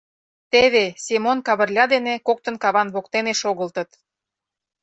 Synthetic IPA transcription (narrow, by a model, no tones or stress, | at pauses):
t̪eβesʲemonkɑβə̆rlʲɑd̪enekok̚t̪ə̆nkɑβɑnβokt̪eneʃoɣə̆lt̪ə̆t̪